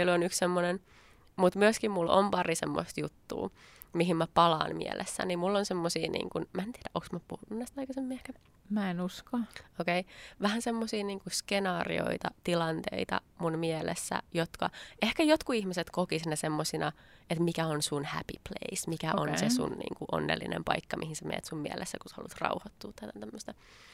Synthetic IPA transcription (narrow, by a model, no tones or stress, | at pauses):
elonykssemːonen | mut̪myøskimmulːo̰mpɑrisḛmːo̰st̪jut̪ːṵː | miɦimmæpɑlɑ̰ːnmḭɛ̰lʔḛsːæ̰nimmulːonsemːosḭːnḭːŋkunmæent̪iɛɾæʔoksmæpuhununːæst̪ɑikɑsemːiːehkæ | mæenuskɑokeiʋæhænsemːosiːniːŋkuskenɑːrḭo̰it̪ɑt̪ilɑnt̪ḛit̪ɑ̰munmiɛlḛsːæ̰jot̪kɑ̰ehkæjot̪kuihmiset̪kokisinːæsemːosinɑ | et̪mikæonsunhæ̰pḭplḛismikæʔʔonnsesṵnnḭːŋkuʔo̰nːelːinḛmpɑ̰ikːɑmihinsemḛːt̪summiɛlʔesːækuse̥hɑ̰lṵt̪rɑ̰uhɑt̪ːuːt̪ːæt̪æt̪æmːøst̪ɑ